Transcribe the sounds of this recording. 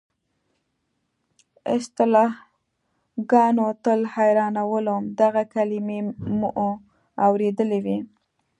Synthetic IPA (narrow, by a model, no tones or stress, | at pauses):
ɪst̪ɪlɑh | ɡɑnot̪əlhajɾɑnawəlomd̪aɣakalɪmemuʔo | awɾed̪əlewi